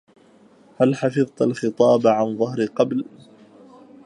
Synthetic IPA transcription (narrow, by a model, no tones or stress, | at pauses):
halħɑfɨðˤt̪alxɨt̪ˤɑːbaʕanðˤɑɦɾɪqɑbl